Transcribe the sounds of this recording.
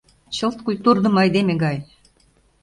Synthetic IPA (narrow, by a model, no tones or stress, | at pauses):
t͡ɕɤ̆lt̪̚kujt̪urd̪ɤ̆mɑjd̪emĕɡɑj